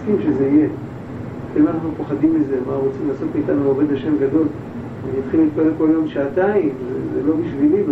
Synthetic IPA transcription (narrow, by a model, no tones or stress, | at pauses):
skimʃezeije | kelanaχnupoχadimːizeamaʁot͡simlaːso̞tmiːt̪anuove̞d̪haʃe̞mɡad̪o̞l | niat̪χilit̪̚palelko̞ljo̞mʃaːt̪aimzezelo̞biʃvilib